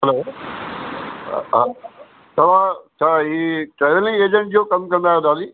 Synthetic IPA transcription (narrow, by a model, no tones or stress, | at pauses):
ɦɛloː | ɦa | t̪ɐʋ̤ãt͡ɕʰaːiːʈɾɛːʋlɪ̃ŋɡeːd͡ʑə̃ɳʈd͡ʑoːkɐmkɐ̃nd̪aːjod̪aːliː